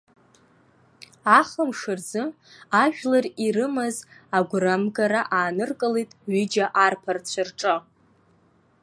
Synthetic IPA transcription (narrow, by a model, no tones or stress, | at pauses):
aχəmʂɨrd͡zɨ | aʒᶣlarirɨmazaɡʷramɡaɾaʔaːnɨrkʼɨlijtʼɥid͡ʒaʔarpʰart͡ɕʷʰarʈ͡ʂʼɨ